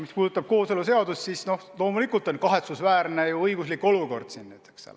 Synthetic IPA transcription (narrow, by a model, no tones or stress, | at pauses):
mispuːd̪ut̪ːˑɑb̥̚ko̞ːselus̬e̞ɑd̪ussisno̞hlo̞ːmulikˑult̪ˑo̞nkɑɦe̞t̪susvæːrnejuɤjɡuslikːˑo̞luko̞̰rd̪̥sinːyt̪ːˑe̥kssḛlː